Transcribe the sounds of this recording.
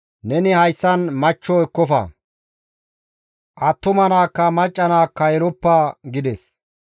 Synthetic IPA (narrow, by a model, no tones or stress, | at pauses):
nɛnɪhɐjsːɐnmɐt͡ʃːɔɛkːɔfɐ̰ | ʔɐt̪ːʊmɐnaːkːɐmɐt͡ʃʼːɐnaːkːɐjɛɾɔpːaːɡɪd̪ɛs